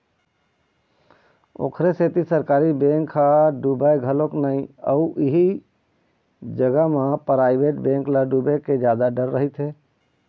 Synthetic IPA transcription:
o̰ːkʰɾeset̪isəɾkaːɾibẽːŋkʰːaɖuːbajɡʱəloknaĩə̰uʔɪɦi | d͡ʒəɡəɦmãpɾaːɪbeːʈbẽːŋklaɖuːbeked͡ʒjaːd̪aɖəɾːəɦit̪ɦɛː

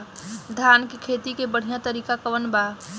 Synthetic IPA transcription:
d̪ʱjaːnkikʰeːt̪ikebəɽ̤ijãt̪əɾiːkakəʋənbaː

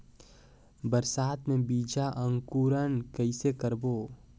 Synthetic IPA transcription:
bəɾsaːt̪mẽbiːd͡ʒaʔə̃ŋkuːɾənkəɪsekəɾboː

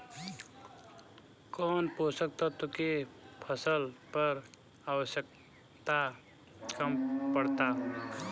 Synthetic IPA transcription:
kɔːnposək̚t̪ɔt̪ukepʰəsəlpəɾ | awəsjək̚ | t̪a | kəmpəɽt̪a

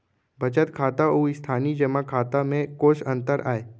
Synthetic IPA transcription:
bʱɐt͡ʃət̪kʰaːt̪auːist̪ʰaːnid͡ʒəmakʰaːt̪amẽkoːʃɐ̃nt̪əɾa̰ːeː

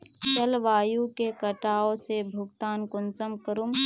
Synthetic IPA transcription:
t͡ʃɐlʋaːjukekɐʈaːõsebʱʊɡ̚t̪aːnkʊnsəmkəɾum

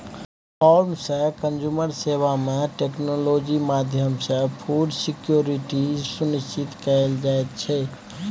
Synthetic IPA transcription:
pʰɔɾmsə̃kənd͡ʒuməɾsebamẽʈeknolod͡ʒimad̪ʱjəmsə̃pʰuɖsikjoɾiʈisuniʃt͡ʃit̪kəeld͡ʒaet̪̚t͡ʃʰɛ

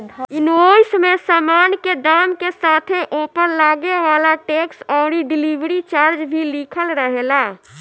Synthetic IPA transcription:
inoismesamankeɖamkesat̪ʰeʔopəɾlaɡeʋalaʈeksɔːɾiɖilibɾit͡ʃaɾd͡ʒbʱilikʰəlɾəɦela

